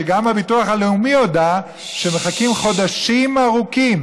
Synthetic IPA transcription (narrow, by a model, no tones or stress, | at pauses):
eɡamabituaχaleumijoda | ʃe̞me̞χakimχo̞d̪aʃimaʁukim